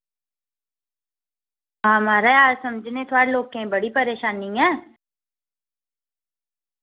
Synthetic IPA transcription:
ɦãmaːɾaaːsəmd͡ʒʱnẽt̪ʰoaɽeloːkẽbəɽipəɾeːʃaːniɛ̃ː

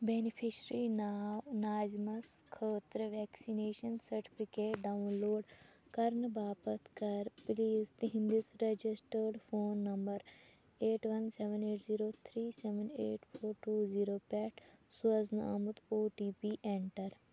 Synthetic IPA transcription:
benipʰiʃɾinanaːzmɐskʰəːt̪ɾəʋɛːksineːʃənsɐɾʈi̥pʰikeːʈɖaunloːɖkɐɾnbaːpət̪kɐɾpliːzt̪iɦĩnd̪isɾed͡ʒisʈəɾɖpʰoːnːɐmbəɾ | eːʈʋɐnseʋəneːʈziːɾoːt̪ʰɾiːseʋənḛːʈpʰoːɾʈuːziːɾoːpɛːʈʰsuəznɐ̰a̰mut̪oːʈiːpiʔeɳʈəɾ

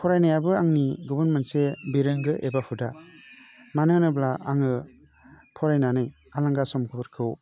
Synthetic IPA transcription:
pʰɔɾajnajabɯaŋniɡɔbɯnmensebeɾɯŋɡɯʔebapʰuda | manɯnɯblaaŋɯ | pʰɔɾajnanɯj | alaŋɡasɔmkʰɯbɯɾkʰɯw

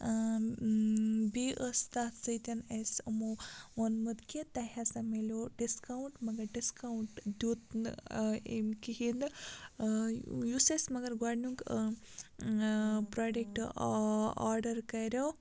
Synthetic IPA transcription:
biʔəst̪aːt̪sɐjt̪ɐnesɐmowɐnmɐd̪kit̪ɐɦasɐmelʲoɖiskawɳʈmɐɡɐɾɖiskawɳʈd̪ut̪ | ḛmkiɦind̪ | jusesmɐɡɐɾɡaɽnuk | pɾaːɖek̚ʈ | a̰ːɾɖɐɾkɐjɾow

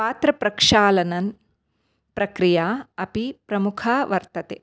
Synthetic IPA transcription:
paːt̪ɾɐpɾɐkʂaːlɐnɐn | pɾɐkɾijaːɐpipɾɐmukʰaːʋɐɾt̪ɐt̪ḛ

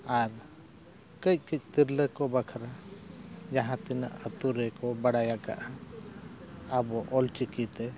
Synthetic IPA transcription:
aɾ | kəc̚ˀkic̚ˀt̪iɾləkɔbakʰaɾa | d͡ʒaɦãt̪ina̰ʔət̪uɾɛkɔbaɽajaka̰ʔa | abɔʔɔlt͡ʃikit̪ɛ

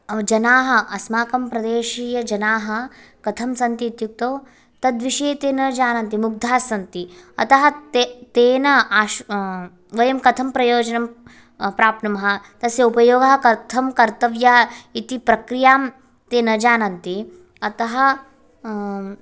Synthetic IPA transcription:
d͡ʒɐnaːɦɐʔɐsmaːkɐmpɾɐd̪eːʃiːjɐd͡ʒɐnaːɦɐkɐt̪ʰɐmsɐnt̪iːt̪juk̚t̪oː | t̪ɐd̪ʋiʃeːt̪eːnɐd͡ʒaːnɐnt̪imuɡ̚d̪ʱaːsɐnt̪iɐ̰t̪ɐɦɐ̆t̪t̪eːnɐaːʃ | ʋɐjɐmkɐt̪ʰɐmpɾɐjoːd͡ʒɐnɐm | pɾaːpnɐmɐɦɐ̆t̪ɐsjɐupɐjoːɡɐɦɐkɐɾt̪ʰɐmkɐɾt̪ɐʋjaːit̪ipɾɐkɾijaːm | t̪eːnɐd͡ʒaːnɐnt̪i | ɐt̪ɐɦɐ̆

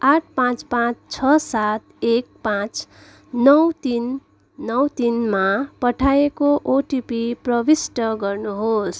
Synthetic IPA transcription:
aʈ̚ʰpãt͡spãt͡st͡sʰʌsat̪̚ek̚pãt͡s | nʌwt̪inː | ʌwt̪inmapʌʈʰaekoʔoʈipiprʌbisʈʌɡʌrnuɦos

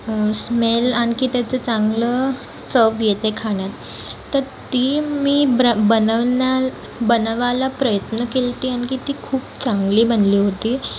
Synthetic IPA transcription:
smelankit̪jat͡sət͡sãŋɡlə | t͡səbjet̪ekʰaɳjat̪ː | əɾt̪iːmiːbənəna | bənʋalapɾəjət̪nəkelt̪iːankit̪iːkʰuːpt͡sãŋɡliːbənliːɦot̪iː

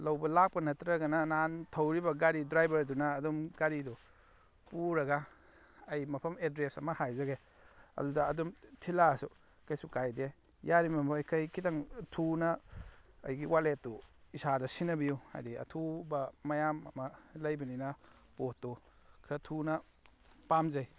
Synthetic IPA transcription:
lɐwbɐlak̚pɐnɐtɾɐɡɐnɐnantʰɐwɾibɐɡaɾidɾajbɐɾdunɐːdumɡaɾidu | puɾɐɡa | ɐjmɐpʰɐmedɾesɐ̰mɐhajzɐɡe | ɐ̰dudɐːdumtʰilasu | kajsukajde | jaɾimɐmajkʰajkʰitaŋtʰunɐ | ɐ̰jɡiwaletːuisadɐsinɐbijuha̰jdiɐ̰tʰubɐːɐjamɐmɐlɐjbɐninɐ | potːu | kʰɾɐtʰunɐ | pamzɐj

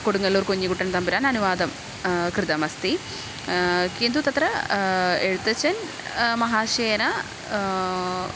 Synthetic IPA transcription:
koɽuŋːɐlːoːrkuɲːikuʈːɐnt̪ɐmbiɾaːnɐnuʋaːd̪ɐm | krɨd̪ɐmɐst̪i | keːnd̪ut̪ɐt̪ɾɐ | eɻut̪ːɐt͡ɕːɐn | mɐɦaːʂeːjɐnɐ

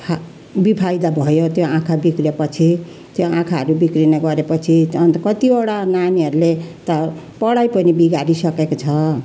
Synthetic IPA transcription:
bipʰajd̪abʱʌjot̪joãkʰabikrepʌt͡sʰi | t̪joãkʰaɦʌɾubikrineɡʌɾepʌt͡sʰiʌnt̪kʌt̪ioɽananiɦʌɾulet̪ʌ | pʌɽajpʌnibiɡaɾisʌkekot͡sʰʌ

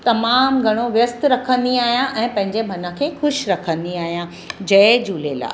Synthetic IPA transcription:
t̪ɐmaːmɡʱɐɽ̃oʋjɐst̪ɾɐkʰə̃nd̪iaːɦijãʔɛ̃ːpɐ̃ɦɪ̃ɲd͡ʑemʱɐnə̆kʰeːxʊʃɾɐkʰə̃nd̪iaːɦijã | d͡ʑɐɪd͡ʑuːlela̰ː

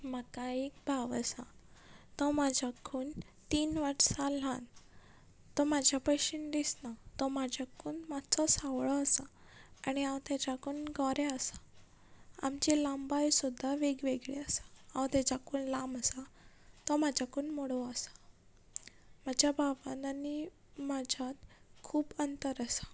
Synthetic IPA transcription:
məkaek̚bʱaʋasat̪ɔmad͡ʑʱakʰuːn | t̪iːnʋaɾsãl̤ãn | t̪ɔmad͡ʑʱjapəɕind̪isnat̪ɔmad͡ʑʱakuːnmat͡sɔsawɭɔəsa | aɽ̃iãwt̪jad͡ʑakuːnɡɔɾɛəsḁ | a̰md͡ʑelambajsud̪ʱːaʋeɡʋeɡɭeəsḁãwt̪ɛd͡ʑakuːnlaməsa | t̪ɔmad͡ʑakuːnmoɽɔəsḁ | mad͡ʑʱjababanani | mad͡ʑʱat̪kʰuːbənt̪əɾəsḁ

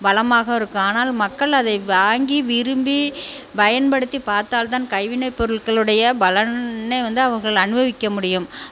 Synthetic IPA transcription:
bɐlɐmaːɣɐɪɾɯkːɯaːnaːlmɐkːɐɭɐðɐɪʋaːŋɡiʋɪɾɯmbi | bɐjɐnpɐɽɯt̪ːipaːɾt̪aːlt̪aːnkɐɪʋɪnɐɪpːɔɾɯɭɣɐɭɯɽɐjɐbɐlɐnɐɪʋɐnd̪ɯɐʋɐŋɣɐɭɐɐnɯbɐʋɪkːɐmʊɽɪjɯm

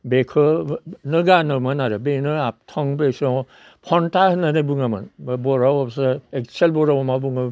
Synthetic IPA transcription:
bekʰɯnɯɡanɯmanaɾɯbenɯap̚tʰɔŋbesɔ | pʰɔntahɯnanɯbuŋama̰nbɔɾawabsɯek̚selbɔɾawɔmabuŋa

